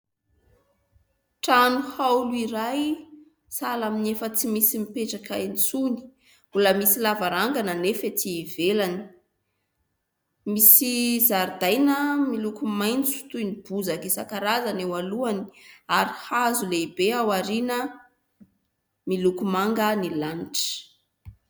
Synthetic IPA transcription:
ʈ͡ʂanuhawluiɾaj | salaminefət͡simisimipeʈ͡ʂakaent͡suni̥ | uləmisilavaɾaŋɡananefet̪ivelani̥ | misizaɾd̪ajnəmilukumajnt͡su̥t̪unib̥uzakisakaɾazanewaluani̥aɾihazuleibeawaɾinə | milukumaŋɡənilanʈ͡ʂə̥

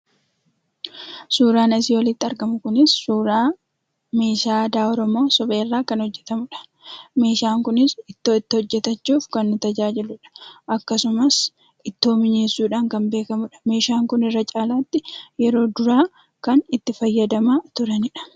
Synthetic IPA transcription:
suːɾaːnɐs̬iːwɔlɪt̪ːɪɐɾɡɐmʊkʊnɪsːuːɾaː | me̞ːʃaːd̪aːɔɾɔmo̞ːsɔbeːrːaːkɐnhɔd͡ʒːɛt̪ɐmʊᶑɐ̥ | me̞ːʃaːŋkʊnɪsɪt̪ːoɪt̪ːɪɔd͡ʒːɛt̪ɐt͡ʃːuːfkɐnːʊt̪ɐd͡ʒaːd͡ʒɪlʊᶑɐ̥ʔɐkːɐsʊmɐs | ɪt̪ːoːmɪɲe̞ːsːuːᶑaːŋkɐmbe̞ːkɐmʊᶑɐ̥me̞ːʃaːŋkʊnɪrːɐt͡ʃʼaːlaːt̪ːɪjɛɾo̞ːd̪ʊɾaː | kɐnɪt̪ːɪfɐjːɐd̪ɐmaːt̪ʊɾɐnɪᶑɐ̥

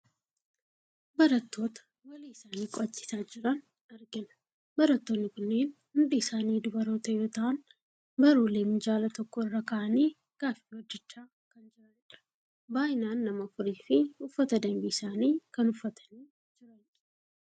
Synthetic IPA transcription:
bɐɾɐt̪ːo̞ːt̪ɐ̥ | wɐliːɪsaːniːkʼɔɐt͡ʃːɪ̥saːd͡ʒɪɾɐn | ɐɾɡɪnʊ̥ | bɐɾɐt̪ːoːnːɪkʊnːe̞ːn | hʊnd̪iɪsaːniːd̪ʊbɐɾo̞ːt̪ɐjo̞ːt̪ɐʔɐn | bɐɾuːleːmɪd͡ʒaːlɐt̪ɔkːɔɪrːɐkɐʔɐniː | ɡ̥aːfiːwɔd͡ʒːɛt͡ʃːaː | kɐnd͡ʒɪɾɐɛᶑɐ̥ | baːʔɪnaːnːɐmɐfʊɾiːfɪʊfːɐt̪ɐd̪ɐmbiːɪsaːniːkɐnʊfːɐt̪ʰɐ̥niː | d͡ʒɪɾɐn

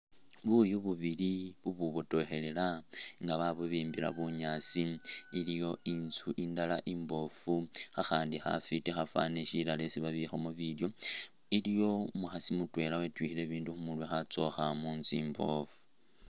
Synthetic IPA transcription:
βujuβuβiliβuβuβoto̞xe̞lelaŋɡaβaβuβiːmbila̰βuɲasiilijo̞ʔinzuʔindalaʔimbo̞fuxaxaːndixa̰fitexafa̰ːneʃilale̞siβaβixomuβiljo̞ | ilijo̞muxasimutwe̞lawetwiːxile̞βiːnduxumulwexat͡so̞xamuːnziːmbo̞̰fu̥

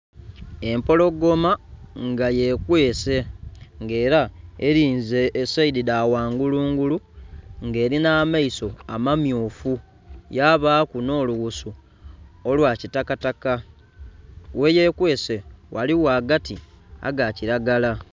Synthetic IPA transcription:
e̞mpo̞lo̞ɡo̞maŋɡaje̞kwe̞ːse̞ŋɡe̞ːɾaḛɾiːnzeːsaididawaːŋɡuluːŋɡuluŋɡe̞ːɾinaːmaiso̞a̰mamjoːfu | jaβaːkuno̞ːluɣusu | olwaːcitakataka | we̞je̞kwe̞ːse̞wʔa̰liwaːɡatia̰ɡaciɾaɡala

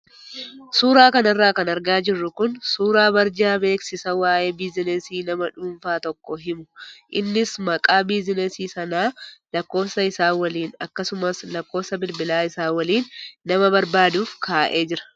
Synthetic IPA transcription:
suːɾaːkɐnɐrːaːkɐnɐɾɡaːd͡ʒɪrːʊkʊnsuːɾaːbɐɾd͡ʒaːbe̞ːksɪsɐwaːʔe̞ːbɪzɪnɛsiːnɐmɐᶑuːɱfaːt̪ɔkːɔɦɪmʊʔɪnːɪsmɐkʼaːbizɪnɛsiːsɐnaːlɐkːo̞ːsɐɪsaːwɐliːnɐkːɐsʊmɐslɐkːo̞ːfsɐbɪlbɪlaːɪsaːwɐliːnːɐmɐbɐɾbaːd̪uːfkʰaːʔeːd͡ʒɪɾɐ̥

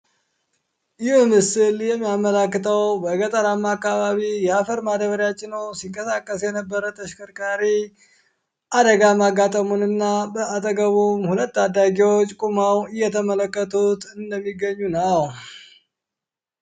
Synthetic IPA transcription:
jɪhmɨsɨljɛmːijaməlakːɨt̪ʰʼəwbəɡət̪ʼəɾamːakːaβaβijɛafəɾmad̪əβəɾjat͡ʃʼːɪnəwsiŋkʼəsakʼːəsjɛnəbːəɾət̪ʰəʃkʰəɾkʼaɾi | ʔad̪əɡamaɡat̪ʼəmunɨnːabəat̪ʼəɡəβumhulət̪ːad̪ːaɡewot͡ʃːkʼumawɨjːɛt̪ʰəmələkːət̪ʰut̪ʰɨnd̪əmːiɡəɲːunəw

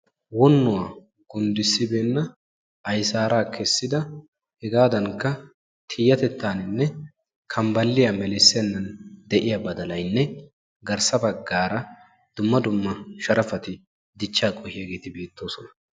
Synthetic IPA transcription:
wɔnːʊwaː | ɡ̥ʊnd̪ɪsːɪbeːnːɐ | ɐjsaːɾaːkʰɛsːɪd̪ɐ | hɛɡaːd̪ɐŋkːɐ | t̪ʰiːjɐt̪ɛt̪ːaːnɪnːɛ | kʰɐmbɐlːɪjamɛlɪsːɛnːɐnd̪ɛʔɪjabɐd̪ɐlɐjnːɛ | ɡɐɾsɐbɐɡːaːɾɐ | d̪̥ʊmːɐd̪ʊmːɐʃɐɾɐfɐt̪ɪ | d̪ɪt͡ʃːaːkʼɔhɪjɐɡe̞ːt̪ɪbeːt̪ːo̞ːsɔnɐ̥

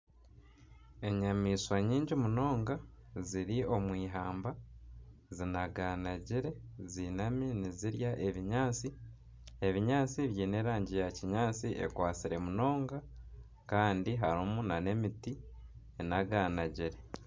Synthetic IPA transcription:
e̞ɲamiːswaɲiːɲɟimuno̞ːŋɡa | ziɾio̞mwiːɦaːmba | zinaɡanaɟiɾe̞zinaminiziɾjaʔe̞βiɲaːt͡si | e̞βiɲaːt͡siβjiːne̞ːɾaːɲɟijaciɲaːt͡siʔḛkwaːt͡siɾe̞muno̞ːŋɡa | kaːndiɦaɾomunane̞miti | enaɡaːnaɟiɾe̞

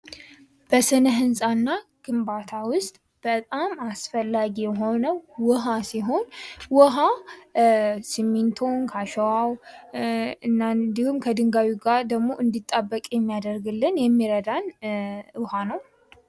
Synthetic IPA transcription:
b̥əsɨnəɦɨnsʼanːaɡ̥ɨmbat̪ʰawʊst̪ʼ | b̥ət̪ʼamasfəlːaɡijɛɦo̞nəwwɔɦasiɦo̞nwɔɦa | simːint̪ʰo̞ŋkʰaʃəwaw | ɨnːad̪ihumkʰəd̪ɨŋɡawiɡad̪əɡmo̞ʔɨnd̪it̪ʼːabːəkʼjɛmːijad̪əɾɡɨlːɨnjɛmːiɾəd̪an | hanəw

